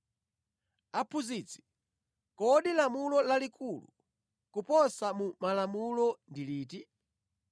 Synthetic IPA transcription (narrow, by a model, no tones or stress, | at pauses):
apʰuzit͡si̥ | kɔɗilamulɔlalikʰulṵ | kupɔsamumalamulɔndiliːti